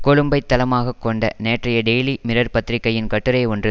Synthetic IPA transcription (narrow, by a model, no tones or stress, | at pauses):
kɔɻɯmbɐɪt̪ːɐlɐmaːɣɐkːɔɳɖɐ̰neːʈrɐjɐɖeːlimɪɾɐɾpɐt̪ːɪɾɪkːɐjɪnkɐʈːɯɾɐɪɔndrɯ